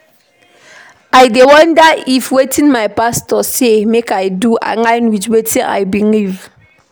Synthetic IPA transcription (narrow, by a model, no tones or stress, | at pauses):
ajdewɔ̃ndaifwetʰĩnmajpastɔsemekajduʔa̰ŋajnwit͡ʃwetʰĩna̰jbiliv